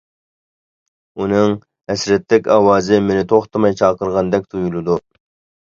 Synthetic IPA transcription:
unɨŋ | hɛsɾɛt̪lːɪkʲɑwɑːzɪmenɪt̪ʰoχt̪ʰɨmɑjt͡ʃʰɑːqəɾʁɑnd̪ɛk̚ʲt̪ʰujulˠɨd̪u

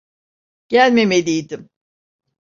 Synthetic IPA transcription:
ɟ̥ælʲme̞melʲijd̪im

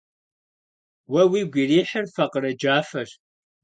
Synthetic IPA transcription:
wɐwiːɡʷiriːħərfɐqəɾɐd͡ʒaːfɐr

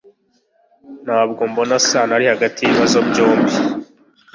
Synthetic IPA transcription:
nhaːb̚ɡo̞mbo̞nasanaɾihaɡatiiβazobɟo̞ːmbi

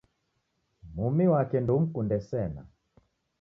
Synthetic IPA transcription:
mumiwakɛndum̩kundɛsɛna̰

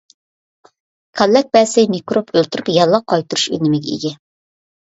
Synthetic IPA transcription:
kʰɑlːɛk̚bɛsɛjmikɾopʰølt̪uɾypjɑlˠːɑqʰːɑjt̪uɾuʃynɪmɪɡʲɛḭɡʲɛ

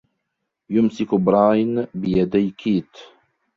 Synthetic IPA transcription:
jʊmsɪkbɾˤɑːjnbɪjad̪ajkʰiːt̪

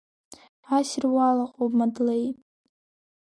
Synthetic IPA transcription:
asrwalaqʼowbmadlej

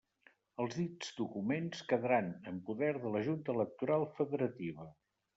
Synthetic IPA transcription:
əlˠzðid͡z̥d̪ukumenskəðəɾanəmpuðɛɾðələʒunt̪ələk̚t̪uɾalˠfəðəɾət̪iβə

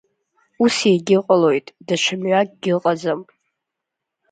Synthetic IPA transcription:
useɡʲɪqʼalo̞jtʼdat͡ʃʷʰamɥak̚ʼɡʲɪlqʼad͡zamʼ

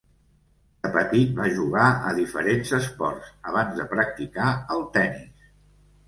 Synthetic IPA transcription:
d̪əpət̪it̪̚baʒuɣaəðifə̰ɾenzəspɔrsəβ̞anzðəpɾək̚t̪ikaəlˠt̪ɛnis

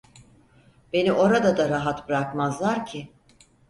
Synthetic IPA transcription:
be̞niʔo̞ɾad̪ad̪aɾaɦat̪bɾakmazlˠaɾcʰɪ

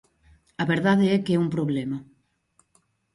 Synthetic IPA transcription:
aβeɾðaðeɛkeɛumpɾoβlema

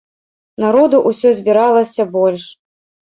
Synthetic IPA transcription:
naɾɔd̪uʔusʲɔzʲbʲiɾalˠɐsʲɐbɔlʲʂ

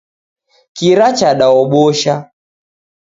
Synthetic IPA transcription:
kiɾat͡ʃaɗaɔɓɔʃa

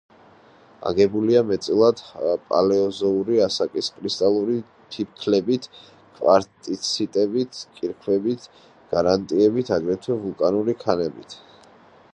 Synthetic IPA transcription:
a̰ɡɛbuliamɛt̪sʼilˠad̪pʼa̰lɛɔzɔuɾiasakʼiskʼɾist̪ʼalˠuɾi | t̪ʰipkʰlɛbit̪ʰ | kʼwaɾt̪ʼit̪sʰit̪ʼɛbit̪ʰkʼiɾkʰwɛbit̪ʰ | ɡ̥aɾant̪ʼiɛbit̪ʰaɡɾɛt̪ʰwɛvulˠkʼanuɾikʰanɛbit̪ʰ

